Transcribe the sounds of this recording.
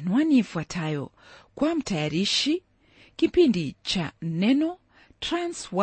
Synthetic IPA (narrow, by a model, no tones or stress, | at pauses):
nwanifuatʰajɔ̰ | kwam̩tajaɾiʃi | kipindit͡ʃanɛnɔ | tɾanswa